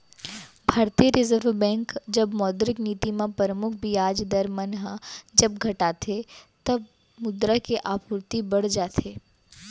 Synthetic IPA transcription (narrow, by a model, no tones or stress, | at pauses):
bʱaːɾt̪iːəɾɪzəɾʋbɛ̃ːŋkd͡ʒɐbmɔːd̪ɾɪkniːt̪imẽpəɾəmʊkʰbʱiaːd͡ʒd̪əɾmənɦad͡ʒɐb̚ɡʱɐʈaːt̪ʰet̪ɐb̚ | mʊd̪ɾakeʔaːpʊɾt̪ibɐɽ̤d͡ʒaːt̪ʰeː